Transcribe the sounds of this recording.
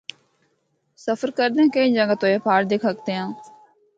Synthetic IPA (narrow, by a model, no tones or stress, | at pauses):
səfəɾkəɾd̪ẽːkẽĩːd͡ʒə̃ŋɡət̪oːepʰaːɾd̪eːkʰək̚t̪eːãː